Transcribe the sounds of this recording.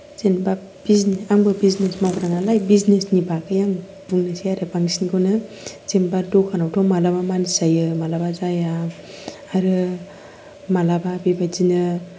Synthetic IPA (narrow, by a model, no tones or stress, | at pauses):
z̥enba | b̥izneaŋbɯbiznesmawɡɾaŋalajbiznesnibakʰɯjaŋ | b̥uŋnasiaɾɯbaŋsinkʰɯnɯ | z̥embadɔkʰanawtʰɔmalabamansajɯmalabazaja | aɾɯ | malababibazinɯ